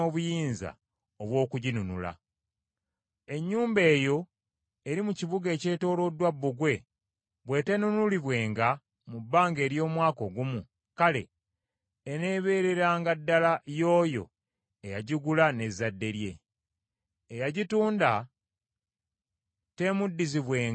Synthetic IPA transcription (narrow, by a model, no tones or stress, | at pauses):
oːβujiːnza̰ | oβwo̞ːkuɟinunula̰ | e̞ɲːuːmbe̞ːjo̞ | eɾimuciβuɡe̞ːce̞ːto̞ːlo̞ːdwabːuɡwe̞ | βwe̞ːte̞nunuliβwe̞ːŋɡa | mubːaːŋɡe̞ːɾjo̞ːmwaːko̞ɡumu | kale̞̰ː | neːβe̞ːɾe̞ɾaːŋɡadːalajo̞ːjo̞̰ | ejaɟiɡulane̞zːadːe̞ɾje̞ | jaɟituːnda | te̞mudːiziβwe̞ː